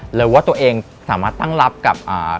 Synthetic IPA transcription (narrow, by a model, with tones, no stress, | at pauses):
lɛː˩˦waː˥˩t̪u˧ɐʔeː˧ŋ | saː˩˦maː˥˩t̪ːa˥˩ŋla˦˥p̚ka˨˩p̚ʔaː˨˩